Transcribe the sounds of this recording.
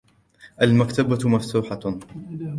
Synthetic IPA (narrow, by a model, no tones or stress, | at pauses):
ʔalmakt̪abamaft̪uːħa